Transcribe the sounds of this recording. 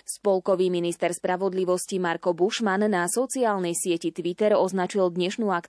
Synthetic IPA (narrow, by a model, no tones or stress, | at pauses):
sspɔlkɔʋiːminist̪ɛɾspɾaʋɔd̪liʋɔscimaɾkɔbuʃmannasɔt͡siaːlnɛjsɪɛcit̪ʋit̪ɛɾɔznat͡ʃild̪ɲɛʃnuːak